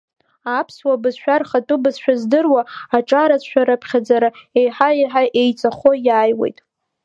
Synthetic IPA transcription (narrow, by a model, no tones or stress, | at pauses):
apʰswabɨzʃʷᶣarχatʼʊbɨzʃᶣazdɨrwaaʈ͡ʂʼaɾat͡sʰʷʃᶣaɾapʰχʲad͡zaɾae̞jħaiħaʔejt͡sʼaχo̞jaːjwḛjtʼ